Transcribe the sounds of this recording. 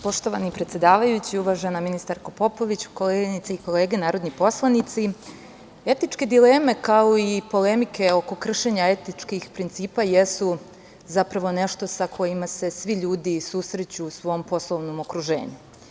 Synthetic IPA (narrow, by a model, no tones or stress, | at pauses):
po̞ʃt̪o̞ʋanipɾet̪sjed̪aːʋajut͡ɕiuʋaːʒenaminist̪aɾkopo̞po̞ʋit͡ɕu̥kolenit̪seiko̞le̞ːɡenaːɾod̪nipo̞slˠanit̪si | e̞t̪it͡ʃke̞d̪ile̞ːme̞kaoipo̞le̞mike̞o̞ko̞kr̩ʃe̞ɲae̞t̪it͡ʃkixpɾint̪siːpajesu | zapɾaʋo̞ne̞ʃt̪o̞sakʰo̞jimase̞sʋiʎuːd̪isusɾe̞t͡ɕusʋo̞mpo̞slˠoʋnomo̞kɾuʒe̞̰ːɲu